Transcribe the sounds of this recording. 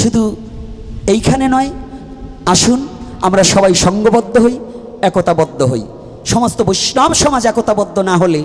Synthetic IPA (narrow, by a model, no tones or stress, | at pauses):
ʃud̪ʱu | ejkʰanenɔe | aʃunamɾaʃɔbajʃɔŋɡobod̪ːoɦoj | ɛkot̪abɔd̪ʱːoɦo̰j | ʃɔmost̪oboʃnɔbʃɔmad͡ʑɛkot̪abɔd̪ʱːonaɦole